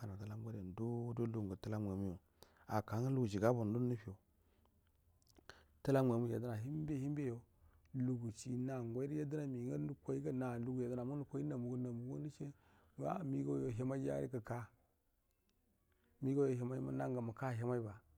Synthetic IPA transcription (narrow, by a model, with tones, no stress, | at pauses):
a˨na˨ta˦la˦ŋ˦ɡʷa˦ɾa˨n˨do˦do˦lu˦˨a˨tə˦la˦mʷ˨e˨mu˦jo˨ | a˨ka˨˦ŋa˦lu˦ɡu˨d͡ʒi˨ɡa˦bo˨n˨du˦n˦ni˦pi˦˨o˨ | tə˦la˦mʷ˨e˨mu˦ja˨də˦na˨ɦi˦m˦be˦hi˦m˦be˦jo˨ | lu˨ɡu˨t͡ʃi˨na˨ŋ˨ɡʷa˦i˦ɾi˦ja˦di˦na˨mi˨ŋa˦u˦kʷa˦i˦ka˦na˨lu˦ɡu˨ja˨dna˨mu˦u˨kʷo˦i˦na˨mu˨ɡu˦na˨mu˨ɡu˦ni˦t͡ʃe˦˨ | a̰˦˨mi˦ɡo˦jo˨ɦa˦ma˦a̰˦ɾḭ˦ka˨ka˦ | mi˦ɡo˦jo˨ɦa˨ma˦i˦ma̰˦na˦ŋɡa˨ma˨ka˦˨ɦa˦ma˦i˦ba˨